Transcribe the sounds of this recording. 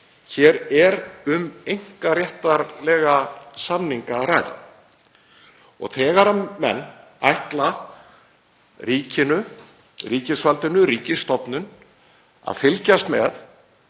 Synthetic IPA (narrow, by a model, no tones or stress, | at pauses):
çɛɾɛɾʏmejŋ̥karjɛht̪aɾlɛːɣasamniŋkaraːjða̰ | ɔ̰ɣθɛːɣaɾaːɛ̰nː | ajht̪la | ɾiːcɪnʏ | riːcɪsfalt̪ɪnʏɾiːcɪst̪ɔpnʏn | a̰ðfɪlcast̪mɛ̰θ